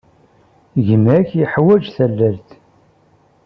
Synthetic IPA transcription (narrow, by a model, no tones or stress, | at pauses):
ʝəmæçjəħwæd͡ʒθælːælθ